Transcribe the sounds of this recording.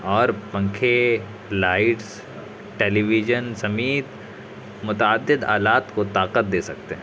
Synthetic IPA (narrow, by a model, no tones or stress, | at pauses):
ɔːɾpɐ̃ŋkʰe | laːɪʈs | ʈeːliːʋid͡ʒənsɐmiːt̪ | mʊt̪aːd̪ːɪd̪a̰ːlaːt̪kot̪aːqət̪̚d̪eːsɐ̰k̚t̪eɦɛ̃